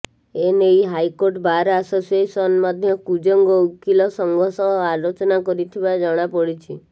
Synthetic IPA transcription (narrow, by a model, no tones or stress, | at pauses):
enejɦajkoɾʈbaɾasosiesɔnmad̪ʱjɔkud͡ʒɔŋɡɔukilɔsɔŋɡʱɔsɔalot͡ʃɔnakɔɾit̪ʰibad͡ʒɔɽ̃apɔɽit͡ʃʰi